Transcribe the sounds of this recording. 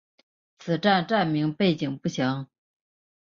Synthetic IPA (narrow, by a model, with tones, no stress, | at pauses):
t͡sʰɹ̩˨˩ʈ͡ʂa˥˧nʈ͡ʂa˥˩nmi˧˥ŋpe˥˩ɪt͡ɕi˨˩ŋpu˥˩ɕjɑ˧˥ŋ